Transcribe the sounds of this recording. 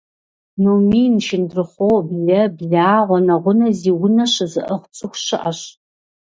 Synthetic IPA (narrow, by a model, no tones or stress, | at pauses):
nuwmiːnʃɪndrɨχʷowbɮɐbɮaːʁʷɔnɐʁʷʊnɐziːwʊnɐɕɨzɨʔɐχʷt͡sʼɨxʷɕɪʔɐɕ